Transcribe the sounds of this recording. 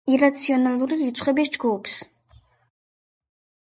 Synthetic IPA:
iɾat̪sʰiɔnalˠuɾiɾit̪sʰχwɛbis̬d͡ʒɡupʰs

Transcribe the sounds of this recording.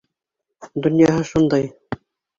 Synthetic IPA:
d̪ŏnjɑɦɤʃund̪ɑj

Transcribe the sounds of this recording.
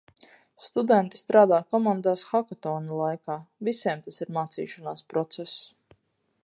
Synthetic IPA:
st̪ud̪ɛnt̪i̥st̪ɾaːd̪aːkɔmand̪aːsxakɔt̪ɔːnulˠajkaːvisɛɛmt̪asiɾmaːt̪sḭːʃanaːspɾɔt̪sɛsu̥

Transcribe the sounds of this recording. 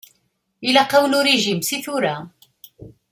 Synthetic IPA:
ilæqɑwnuɾeʒimsiθuɾa

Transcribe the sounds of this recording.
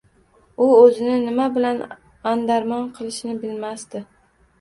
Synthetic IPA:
ʊɵzɪnɪnɪmabɪlan | and̪aɾmɒnqʰɨlˠɪʃnɪbɪlmast̪ɪ

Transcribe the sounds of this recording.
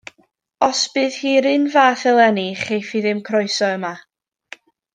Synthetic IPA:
ɔsb̥ɨːð̥hiːɾɨnvaːθɛlˠɛniχejfiðɪmkʰrɔɨsɔəma

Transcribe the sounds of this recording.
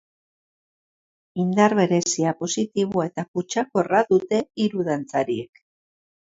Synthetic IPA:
ind̪aɾβe̞ɾe̞siapo̞sit̪iβ̞oe̞t̪aput͡ʃako̞raðut̪e̞iɾuðant͡saɾie̞k

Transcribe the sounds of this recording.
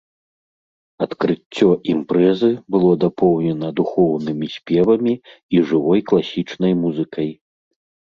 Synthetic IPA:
ɐt̪kɾɨt͡sʲːɔʔimpɾɛzɨbɨlˠɔd̪apɔwnʲɛnɐd̪uxɔwnɨmʲisʲpʲɛvɐmʲiiʐɨvɔjklˠasʲit͡ʂnɐjmuzɨkɐj

